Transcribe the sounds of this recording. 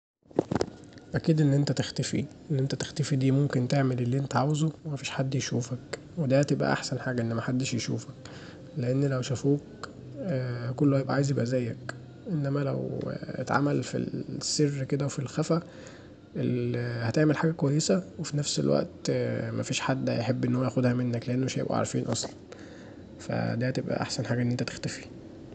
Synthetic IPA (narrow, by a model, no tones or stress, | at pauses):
ʔækiːd̪ʔenːʔent̪æt̪ext̪æfḭʔenːʔent̪æt̪e̥xt̪æfid̪iːmomkent̪eʕmelelːiʔent̪æʕawezowemæfiːʃħad̪ːjeʃuːfæk | wed̪æhæt̪ebʔæ̰ʔa̰ħsænħaːɡæʔenːæmæħad̪ːeʃjeʃṵːfæk | leʔenːlæwʃæfuːk̚ː | kolːohæjebʔæʕaːjezebʔæzæːjːæk | ʔenːæmælæ̰wḛt̪ʕa̰mælfḭlsːerːked̪æwefilxæfæ | ʔelhæt̪eʕmelħaːɡækowæjːesæwefinæfsḛlwʔæ̰ʔt̪mæfiːʃħad̪ːjeħebːʔenːhowːæjæxod̪hæmenːækleʔenːoeʃæjebʔæ̰ʕ̰a̰ɾˤfḭːnʔɑ̰sˤlɑn | fæ̰d̪æːhæt̪ebʔæ̰ʔa̰ħsænħaːɡæʔenːent̪æt̪e̥xt̪æfi̥